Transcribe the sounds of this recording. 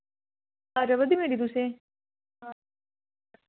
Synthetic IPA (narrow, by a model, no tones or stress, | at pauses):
aɾɐʋəd̪imeɾid̪usẽ | a